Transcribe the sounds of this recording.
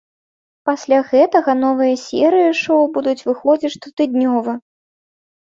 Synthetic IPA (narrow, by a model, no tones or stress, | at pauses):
pasʲlʲaɣɛt̪ɐɣɐnɔvɨjɐsʲɛɾɨjiʂowbud̪ut͡sʲvɨxɔd͡zʲit͡sʲt̪ut̪ɨd̪̚nʲɔvɨ